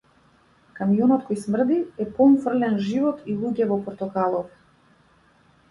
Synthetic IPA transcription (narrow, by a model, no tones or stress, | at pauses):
kamijɔnɔt̪kɔjsmr̩d̪iɛpɔmfr̩lɛnʒivɔt̪ʰilˠuɟɛvɔpɔɾt̪ɔkalˠɔvɛ